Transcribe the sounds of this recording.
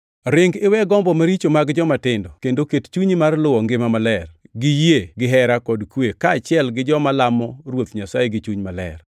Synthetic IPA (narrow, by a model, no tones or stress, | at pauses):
ɾɪŋɡɪwɛɡɔmbɔmaɾit͡ʃomaɡd͡ʒɔmatɪndɔkendokett͡ʃuɲimarlʊwɔŋɡɪmamalɛrɡɪjeɡɪɦɛɾakɔdkwekaːt͡ʃɪɛlɡɪd͡ʒɔmalamɔrwot̪ɲasajeɡɪt͡ʃuɲmalɛ̰r